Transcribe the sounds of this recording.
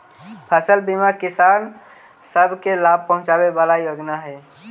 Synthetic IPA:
pʰəsəlbimakisan | səbʱkelab̚pəɦʊ̃t͡ʃabebalajod͡ʒnaɦɛ

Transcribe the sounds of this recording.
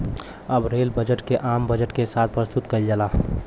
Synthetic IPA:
əbɾeːlbəd͡ʒəʈkeʔaːmbəd͡ʒəʈkesaːt̪̚ʰpɾəst̪ut̪kəild͡ʒəla

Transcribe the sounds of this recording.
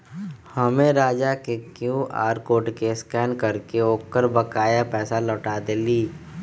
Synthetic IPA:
həmẽɾaːd͡ʒakekjũʔa̰ːɾkoːʈkeskɛːnkəɾkeoːkəɾbəkaːjapɛːsalɔːʈaːd̪eliː

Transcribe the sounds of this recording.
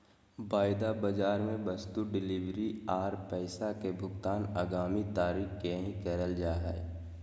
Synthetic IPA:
baːɪd̪abəd͡ʒaːɾmẽbəst̪uɖɪliʋɾiaːɾpɛɪsakebʱʊɡt̪aːnaːɡaːmit̪aːɾiːkkeɦĩkɛɾəld͡ʒaːɦɛ

